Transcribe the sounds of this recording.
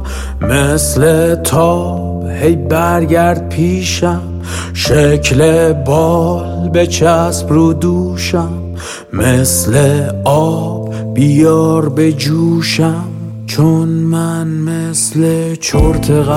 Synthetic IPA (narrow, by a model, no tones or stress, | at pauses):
mesle̞t̪ʰɒː | b̥hejbæɾɟæɾd̪̚pʰiːʃæm | ʃecʰlebɒːlbe̞t͡ʃʰæspɾod̪uːʃæmː | esleɒb̥ː | ijɒːɾbe̞d͡ʒuːʃæm | t͡ʃʰonmænmeslet͡ʃʰoɾt̪ʰeɣæ